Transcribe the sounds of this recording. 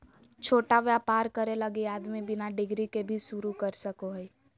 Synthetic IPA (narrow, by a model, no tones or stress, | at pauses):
t͡ʃʰoːʈaʋjapaːɾkəɾeləɡejaːd̪mẽbɪnaɖɪɡɾikebʱiʃuɾukəɾsəkoɦɛi